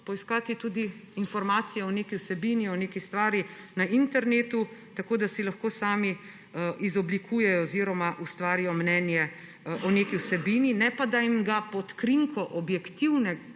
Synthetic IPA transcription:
pɔiskaːt̪it̪uːd̪iːnfɔɾmaːt̪sijɛɔneːkiwsɛbiniɔneːkist̪ʋaːɾjinaʔint̪ɛɾneːt̪ut̪akoːd̪asilaxkoːsaːmi | izɔblikʰuːjɛjɔziɾɔmaʔust̪ʋaːɾijɔmnɛːnjɛ | ʔɔneːkiwsɛbiːninɛpad̪aimɡapɔt̪kɾiŋkʰɔʔɔbjɛkt̪iwnɛ

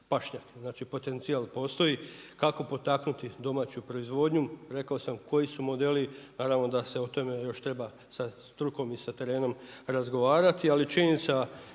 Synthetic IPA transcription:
paʃɲakeznaːt͡ʃipo̞t̪e̞nt̪sijalpo̞ːst̪o̞ikako̞po̞t̪aknut̪id̪o̞maːt͡ɕupɾo̞izʋo̞d̪ɲuɾe̞kaosamko̞jisumo̞d̪e̞linaːɾaʋno̞d̪ase̞ot̪o̞mejo̞ʃt̪ɾe̞ba | sast̪ɾuko̞misat̪e̞ɾe̞ːno̞mɾazɡo̞ʋaːɾat̪ialit͡ʃininit̪sa

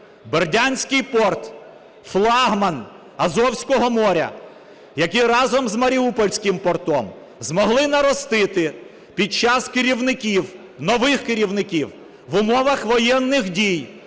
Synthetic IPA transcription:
berdʲanʲsʲkɪjpɔrt̪ | flˠɑɦmɐn | ɐzɔwsʲkɔɦɔmɔɾʲɐ̰ | jɐkʲiɾɑzɔmzmɐɾʲiupɔlʲsʲkɪmpɔrt̪ɔm | zmɔɦlˠɪnɐɾɔst̪ɪt̪ɪ | pʲid̚t͡ʃɑskɪɾʲiwnɪkʲiw | nɔʋɪxkɪɾʲiwnɪkʲiw | ʋʊmɔʋɐxʋɔjɛnːɪxdʲij

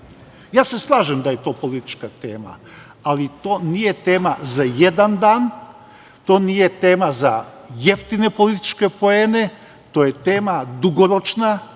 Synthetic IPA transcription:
jaːse̞slˠaːʒemd̪ajet̪o̞ːpo̞lit̪i̥t͡ʃkat̪e̞̰ːma̰ | alit̪oːnije̞t̪e̞ːmazaje̞d̪and̪aːn | t̪o̞ːnijet̪eːmaza | je̞ft̪inepo̞lit̪i̥t͡ʃke̞po̞eːne̞ | t̪oːje̞t̪eːmad̪uɡoɾo̞t͡ʃna

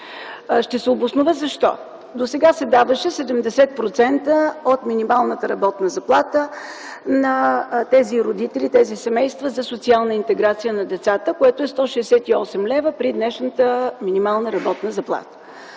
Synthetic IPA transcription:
ʃt̪ɛsɛobosnovəzɐʃt̪ɔ̰ | d̪osɛɡasɛd̪avəʃɛsɛd̪ɛmd̪ɛsɛt̪̚pɾot̪sɛnt̪əot̪minimalˠnət̪əɾɐbɔt̪nəzɐplˠat̪ə | nɐt̪ɛziɾod̪it̪ɛlʲit̪ɛzisɛmɛjst̪vəzɐsot̪sialˠnəint̪ɛɡɾat̪sijənɐd̪ɛt̪sat̪əkoɛt̪oɛst̪ɔʃɛːsɛt̪iɔsɛmlɛvəpɾid̪nɛʃnət̪əminimalˠnəɾɐbɔt̪nəzɐplˠa̰t̪ə̥

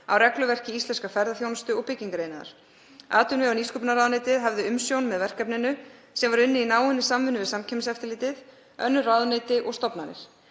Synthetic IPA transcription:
a̰wrɛklʏvɛr̥cɪist̪lɛnskafɛɾðaθjownst̪ʏɔɣpɪcːiŋkaɾeːjnaða̰ɾ̥ | a̰ːt̪ʏnvɪawniskʏpnaɾawðnejt̪ɪðɦavðɪʏmsjownmɛðvɛr̥kɛpnɪnʏ | sɛmvaɾʏnːɪinaːwɪnːɪsamvʏnʏvɪðsamcʰɛmsɛft̪ɪlɪːt̪ɪð | œnːʏraːwðnejt̪ɪʔɔɣst̪ɔpnaɾɪ̰ɾ̥

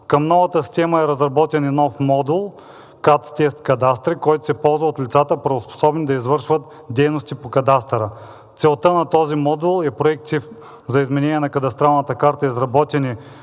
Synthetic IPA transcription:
kɐmnɔvɐt̪əsʲt̪ʲɛməɛɾɐzɾɐbɔt̪ɛninɔfmɔd̪ulˠ | kat̪ːɛst̪kɐd̪ast̪ɾikɔjt̪ʊ̥sɛpɔlˠzvɐot̪lʲit̪sat̪əpɾɐospo̥sɔbnid̪ɐizvɤɾʃvət̪ | d̪ɛjnost̪ipokɐd̪ast̪ɾə | t̪sɛlˠt̪ənɐt̪ɔzimɔd̪ulˠɛpɾoɛk̚t̪if | zɐizmɛnɛnʲiɛnɐkɐd̪ɐst̪ɾalˠnɐt̪əkaɾt̪əizɾɐbɔt̪ɛni

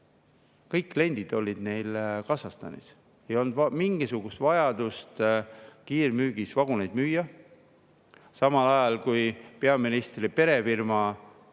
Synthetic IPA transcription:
kɤ̞jkːle̞nʲd̪̥id̪̥o̞lʲːid̪ne̞jlkɑsɑst̪ɑ̰nḭs | ejo̞nd̪vɑmiŋɡ̥isuɡ̥ust̪vɑjɑd̪̥ust̪kiːrmyːɡ̥isvɑɡ̥unejd̪̥myːjɑ | sɑmɑlɑjɑlkujpe̞ɑminist̪ripe̞ɾe̞firmɑ

